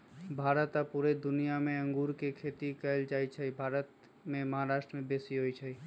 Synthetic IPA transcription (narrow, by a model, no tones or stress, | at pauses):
bʱaːɾət̪apuɾed̪ʊnijamẽə̃ŋɡuːɾkekʰeːt̪ikəld͡ʒaːit͡ʃʰəibʱaːɾət̪ | mẽməɦaɾaːʃʈɾəmẽbesiɦoit͡ʃʰəi